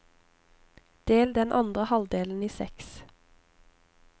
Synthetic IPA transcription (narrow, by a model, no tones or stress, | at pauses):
d̪̥eːld̪ɛnʔɑnd̪ʁəhɑld̪eːln̩iːsɛ̰ks